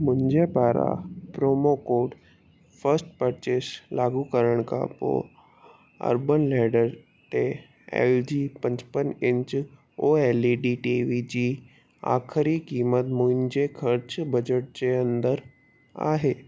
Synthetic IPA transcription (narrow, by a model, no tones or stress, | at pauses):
mʊ̃ɲd͡ʑepaɾa̰pɾomokoɖ | fəɾsʈ̚pəɾt͡ɕeslaɡukəɾəɽ̃ka̰po̰ | ə̰ɾbənlɛɖəɾ | t̪e | ḛld͡ʑiːpə̃ɲt͡ɕpənẽɲt͡ɕ | oeliɖiʈiʋid͡ʑiː | a̰kʰɾikimət̪mʊ̃ɲd͡ʑekʰəɾt͡ɕbəd͡ʑəʈ̚t͡ɕeənd̪əɾ | a̰ɦe